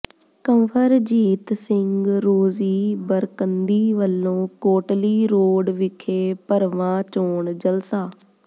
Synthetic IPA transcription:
kəmpʰəɾd͡ʒiːt̪sɪŋɡɾoːziːbəɾkənd̪iːʋəlːõːkoːʈliːɾoːɖʋɪkʰeːpəɾʋãːt͡ʃoːɳd͡ʒəlsaː

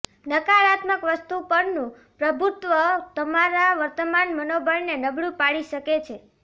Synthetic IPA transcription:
nəkaɾat̪məkʋəst̪upəɾnũ | pɾəbʱut̪ʋət̪əmaɾaʋəɾt̪əmanmənobəɾnenəbɭũpaɭiʃəket͡ʃʰe

